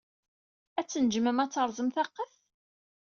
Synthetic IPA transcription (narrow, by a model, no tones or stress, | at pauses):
æt͡sːənd͡ʒməmæt͡sːəɾˤzˤəmθɑqːəθ